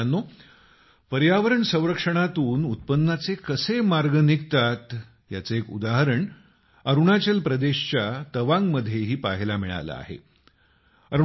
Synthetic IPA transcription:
anːo | pəɾjaʋəɾəɳsə̃w̃ɾəkʂəɳ̃at̪uːnut̪̚pənːat͡sekəsemaɾɡənikt̪at̪ | jat͡seekṵd̪aɦəɾəɳ | əɾuɳat͡ɕəlpɾəd̪eɕt͡ɕjat̪əʋãŋɡməd̪ʱjeɦiːpaɦilamiɭa̰la̰a̰ɦḛ | əɾ

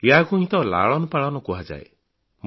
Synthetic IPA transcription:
eakuɦĩt̪ɔla̰ɭɔnɔpaɭɔnɔkuɦad͡ʒa̰e | m

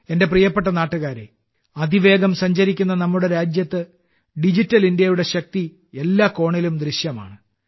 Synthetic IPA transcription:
e̞nde̞prijɐpːe̞ʈ̬ːɐnaːʈːuɣaːɾḛ | ɐd̪ʱiʋe̞ːɡɐmsɐɲd͡ʑɐɾikʲːunːɐnɐmːuɽe̞ɾaːd͡ʑjɐt̪ːɨ | ɖid͡ʑitːɐlindjɐjuɽe̞ɕɐk̚t̪i | e̞lːaːko̞ːɳilumd̪riɕjɐma̰ːɳɨ

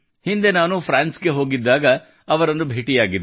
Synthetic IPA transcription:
hind̪e̞naːnupʰɾaːnsɡeɦo̞ːɡid̪ːaːɡɐ | ɐʋɐɾɐnːubʱeːʈijaːɡid̪ːe

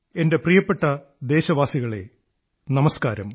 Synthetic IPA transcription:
e̞nde̞prijɐpːe̞ʈːɐ | d̪e̞ːɕɐʋaːsiɣɐɭe̞̰ | nɐmɐskaːɾɐ̰m

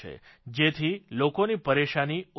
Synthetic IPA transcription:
ḛ | d͡ʒet̪ʰilokonipəɾeʃani

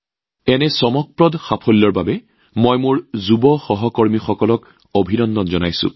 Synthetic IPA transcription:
ɛnɛsɔmɔk̚pɹɔdxapʰɔlːɔɹbabɛ | mɔjmʊɹzubɔxɔɦɔkɔɹmixɔkɔlɔk | obʱinɔndɔtzɔnajsʊ̰̃

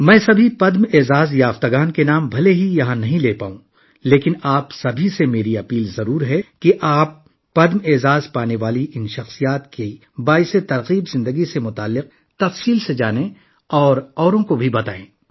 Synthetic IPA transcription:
mɛ̃ːsɐbʱipɐd̪meːzaːzjaːft̪aɡaːnkenaːmbʱɐleɦijɐɦãnɐɦĩleːpaːũ | leːkɪnaːpsɐbʱisemeːɾiɐpiːlzɐɾuːɾɦɛkiʔaːpː | ɐd̪meːzaːzpaːneʋaːliʔɪnʃɐxsijaːt̪ki | baːɪset̪ɐɾɣiːbzɪ̃nd̪əɡisemʊt̪aːlːɪq̚ | t̪ɐfsiːlsed͡ʒaːnẽ | ɔːɾɔːɾõkobʱibɐt̪aːẽː

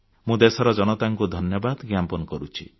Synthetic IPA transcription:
mũd̪esɔɾɔd͡ʒɔñɔt̪aŋkud̪ʱɔnjɔbad̪ɡampɔnɔkɔɾut͡ʃʰḭ

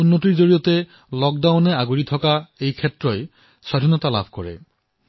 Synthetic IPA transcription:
unːotiɹzoɹijɔte | lɔk̚dawnɛaɡuɹitʰɔkaejkʰetɹɔj | sadʱinɔtala̰bʱkɔɹɛ̰

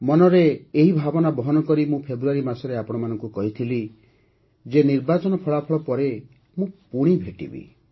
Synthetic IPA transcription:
mɔnɔɾeːɦibʱabɔnabɔɦɔnɔkɔɾimũpʰebɾuaɾimasɔɾeapɔɽ̃ɔmanɔŋkukɔɦit̪ʰili | d͡ʒeniɾbat͡ʃɔnɔpʰɔɭapʰɔɭɔpɔɾe | mũpuɽ̃ibʱeʈḭbḭ

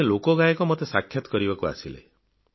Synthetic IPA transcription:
elokɔɡajɔkɔmɔt̪esakʰːjɔt̪ɔ̥kɔɾibakua̰silḛ

